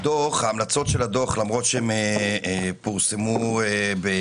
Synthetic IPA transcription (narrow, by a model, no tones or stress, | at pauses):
d̪oχhaːmlat͡so̞tʃelad̪oχlamʁo̞tʃeeme | puʁsemuebe